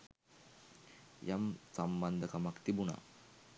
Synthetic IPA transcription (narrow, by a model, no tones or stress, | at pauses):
jamsamband̪əkamakt̪ibuna̰